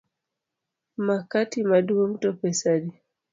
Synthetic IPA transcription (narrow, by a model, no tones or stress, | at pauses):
makatimaɗuam̩tɔpɛsaɗi